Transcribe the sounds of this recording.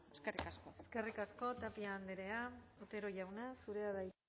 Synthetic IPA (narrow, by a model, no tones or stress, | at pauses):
eskerikaskoeske̞rikasko̞t̪apiaːnd̪eɾe̞aot̪e̞ɾo̞ʝawnasuɾe̞aðaj